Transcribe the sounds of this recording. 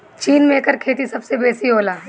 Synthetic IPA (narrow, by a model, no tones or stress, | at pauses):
t͡ʃiːnmẽːkəɾkʰeːt̪isɐbsebeːsiɦoːlaː